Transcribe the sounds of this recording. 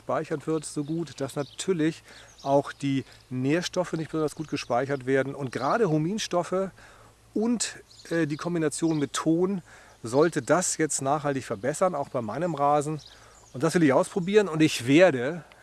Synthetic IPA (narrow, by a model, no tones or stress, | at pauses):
paɪçɐtv̥ɪɐtz̥oːɡuːtd̥asnatʰyːɐlɪçʔaʊxd̥iːneːɐʃtɔfənɪçt̚b̥əzɔndɐsɡ̥uːt̚ɡ̥əʃpaɪçɐtv̥eːɐdn̩ʊnt̚ɡ̥ʁaːɾəɦomiːnʃtɔfə | ʔʊntʔɛːdiːkʰɔmbinat͡sjoːnmɪtʰːoːn | zɔltədasjɛt͡stnaːχhaltɪçfɛɐbɛsɐnaʊxb̥aɪmaɪnəmʁaːzn̩ | ʔʊntd̥asv̥ɪlɪçʔaʊspʁ̥obiːʁənʊntɪçv̥eːɐɾə